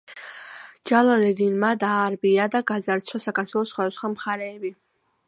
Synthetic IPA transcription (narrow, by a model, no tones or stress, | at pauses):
d͡ʒalˠad̪ɛd̪inmad̪aːɾbiad̪aɡad̪zaɾt̪sʰwasakaɾt̪ʰwɛlˠɔsːχwad̪asχwamχaɾɛːbi